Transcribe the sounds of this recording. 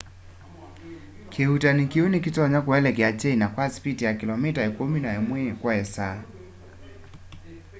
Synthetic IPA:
kʰeutanikiunikitɔaɲakwɛlɛkiat͡ʃɛinakwasi̥pitijakilɔmitaɛkuminaɛmwɛkwaɛsa

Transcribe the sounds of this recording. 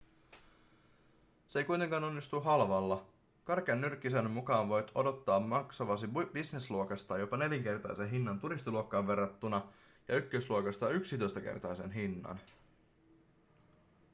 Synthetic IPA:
seejkujt̪e̞ŋkɑːno̞nːist̪uɦɑlʋɑlːɑ | kɑrkeɑnːyrkːˑis̬enmukɑːnʋo̞jt̪o̞do̞t̪ːɑːmmɑksɑʋɑsib̥isne̞sluokɑst̪ɑjo̞pɑne̞ljeŋke̞rt̪ɑ̰jse̞nɦinːɑnt̪uɾist̪iluokːɑːʋʋe̞rːɑt̪ːunɑ | jɑykːøsluokɑst̪ɑyksit̪o̞jst̪ɑke̞̰rt̪ɑjse̞nɦinːɑ̰n

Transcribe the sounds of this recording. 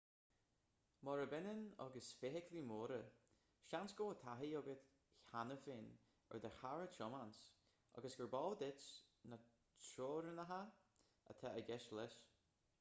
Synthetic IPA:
mɔɾəbɛnənɔ̰ɡəsfɪɦɪkʰlimoːɾə | ʃansɡ̥oːət̪ʰaɦiɔɡət̪ | çanəfɪn | ɛ̰ɹd̪əhaɹət͡ʃʰɔmans | ɔ̰ɡəsɡ̥əɹbɔːld̪ɪt͡ʃnə | t͡ʃʰoːɾənəɦa | ə̰t̪ʰaʔəɡɛʃlɛs

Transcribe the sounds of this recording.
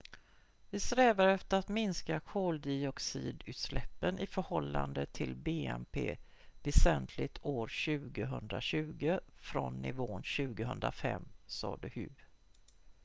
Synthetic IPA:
vɪsɾɛːvaɾɛft̪əɾat̪mɪnskakʰoːld̪ɪɔksḭːd̪ʉ̟ːt̪slɛpːənʔɪfœɾhɔlːa̰nd̪ət̪ʰɪlbeːɛmpʰḛː | vɛsɛnt̪ʰlɪɡt̪ʰoːɾɕʉ̟ːɡəɦɵnd̪ɾaɕʉ̟ːɡəfɾɔnːɪvoːnɕʉ̟ːɡəɦɵnd̪ɾa̰fɛ̰mːsɑ̰ːd̪əhʉ̟ː

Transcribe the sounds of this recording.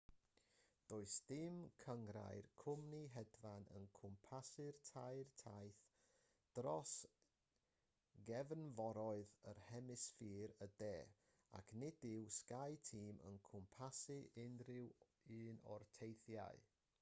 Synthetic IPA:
d̥oːɨsd̥ɪmkʰəŋɾa̰jrkʰʊmniɦɛdvanə̰nkʰʊmpʰasɪrtʰajrtʰajθ | d̥rɔs | ɡɛvənvɔɾɔɨðərhɛmɪsfiːɾədeː | a̰kʰnɪdɪwskajtʰiːmʔə̰nkʰʊmpʰasɨʔɪnrɪw | ɨːnɔ̰rtʰejθja̰ɨ

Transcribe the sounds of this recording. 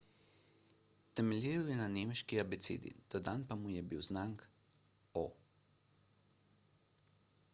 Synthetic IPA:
t̪ɛmɛlʲjiːɾwjɛnaneːmʃkiabɛt̪sḛːd̪ḭd̪̥ad̪anpamujɛbiwznaŋk | o

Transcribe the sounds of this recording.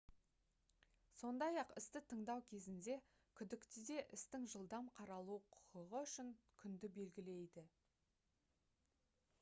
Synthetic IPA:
so̞nd̪ɑjɑqɪ̰st̪ɪt̪ʰəɴd̪ɑwkʲʰe̞zɪnd̪e̞ | kʲʰʏd̪ɪkt̪ɪd̪e̞ʔɪst̪ɪŋʒəlˠd̪ɑmqʰɑɾɑlˠuqʰʊ̥qəʁəʏʃɪŋkʲʰʏnd̪ɪbe̞lɡʲɪle̞jd̪ɪ

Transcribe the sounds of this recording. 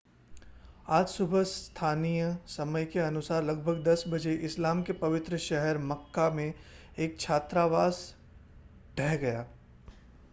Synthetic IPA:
aːd͡ʒsʊbʱəst̪ʰaːnijəsɐməjkeɐnʊsaːɾlɐɡbʱəɡd̪ɐsbɐd͡ʒeʔɪslaːmkepɐʋɪt̪ɾəʃɛɦɛɾmɐkːamẽ | eːk̚t͡ʃʰaːt̪ɾaʋaːs | ɖ̥ʱɛːɦɡɐjaː

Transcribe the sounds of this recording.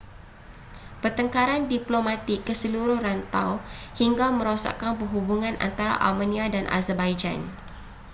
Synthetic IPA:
pərt̪əŋkaɾandiplomãt̪ɪkːəsəluɾʊhrant̪awhiŋɡamə̃ɾosa̰kanpəɦubuŋãna̰nt̪aɾa̰ʔa̰lmaniadanʔa̰zərbajd͡ʒa̰n

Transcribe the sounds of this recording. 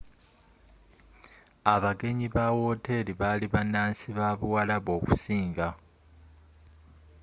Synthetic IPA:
aβaɡe̞ɲiβawo̞te̞liβaliβanaːnsiβaβuwalaβo̞ːku̥siːŋɡa

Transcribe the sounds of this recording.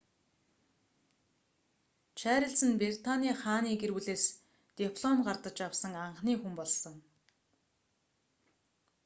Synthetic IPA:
t͡ɕʰæːɾə̆ɮt͡sɘ̆nprert̪ʰanʲiːχaːniːɡerwuɮeːs | t̪ipʰɮɔmɢart̪ə̆t͡ɕawsə̆ŋaɴχniːxumpɔɮsɞ̆ŋ

